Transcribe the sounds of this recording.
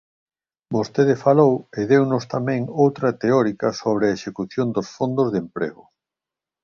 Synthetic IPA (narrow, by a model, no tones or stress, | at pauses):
bost̪eðɪfaloweðewnʊst̪amɛ̃ŋowt̪ɾɐt̪eɔɾikɐsoβ̞ɾeɐeʃekuθjond̪osfond̪ozðempɾḛɣʊ